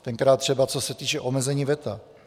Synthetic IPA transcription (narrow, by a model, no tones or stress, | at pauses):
t̪ɛŋkɾaːt̪ːr̥ɛbat͡so̞sɛt̪iːt͡ʃɛʔomɛzɛɲiːvɛt̪a̰